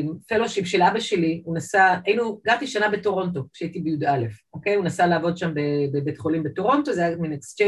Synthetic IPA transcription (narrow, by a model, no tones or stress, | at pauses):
mfelo̞ʃipʃe̞labaʃe̞liunasaainuɡaʁt̪iʃanabe̞to̞ʁo̞nto̞kʃeait̪ibejud̪ale̞fo̞ke̞junasalaːvo̞d̪ʃambebebetχolimbeto̞ʁo̞nto̞zejaminekst͡ʃe